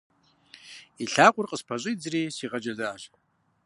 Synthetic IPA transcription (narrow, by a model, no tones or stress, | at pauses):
iɬaqʷʼʊrqʼəspʰaɕʷʼɨid͡zrisiʁad͡ʒazaːʒ